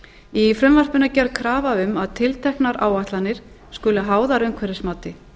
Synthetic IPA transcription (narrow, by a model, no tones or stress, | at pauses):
ifɾʏmvar̥pʏnacɛɾkʰɾaːvaʏmaðt̪ʰɪlt̪ʰɛhknaɾʔa̰ːwaht̪lanɪɾ̥ | skʏːlaɦaːwðaɾʏmkʰvɛɾɪsmaːwt̪ɪ